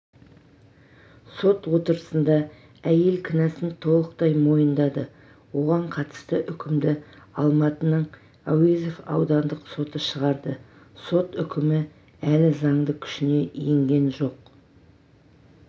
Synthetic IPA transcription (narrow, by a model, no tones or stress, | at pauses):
so̞t̪wo̞t̪əɾəsənd̪ɑ | æje̞lkʲʰɪnæsɪnt̪ʰo̞lˠəq̚t̪ɑjmo̞jənd̪ɑd̪ə | wo̞ʁɑɴqʰɑt̪ə̥st̪əʔʏkʲʰɪmd̪ɪɑlˠmɑt̪ənəɴ | awizefɑ̰wd̪ɑnd̪əqso̞t̪əʃəʁɑɾd̪ə | so̞t̪ʏkʲɪmɪ | ælɪzɑɴd̪əkʲʰʏ̥ʃɪne̞ʔijɪŋɡʲe̞nʒo̞q